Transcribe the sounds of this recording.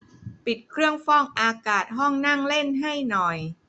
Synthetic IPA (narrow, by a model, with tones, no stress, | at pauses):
pi˨˩t̪̚kʰɾɯ˥˩əŋfɔː˥˩ŋʔaː˧kaː˨˩t̪̚ɦɔ˥˩ŋna˥˩ŋle˥˩nɦa˥˩jnɔ˨˩j